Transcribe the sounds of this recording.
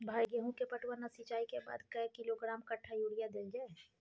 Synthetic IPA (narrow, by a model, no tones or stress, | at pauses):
bʱaːjɡəɦũkepəʈʰwənasit͡ʃaːikeba̰ːd̪kɐkɪloɡɾaːmkɐʈʰːajuːɽijad̪eld͡ʒaːe